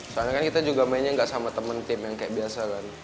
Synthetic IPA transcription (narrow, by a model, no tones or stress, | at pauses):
səanakankit̪ad͡ʒuɡamainɲaŋɡaʔsamat̪əmənt̪ɪmjaŋkajaʔbiasakan